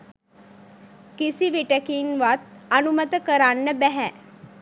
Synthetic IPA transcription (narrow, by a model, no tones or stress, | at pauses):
kisiʋiʈəkinʋat̪̚ənumət̪əkəɾaɳːəbɛɦɛ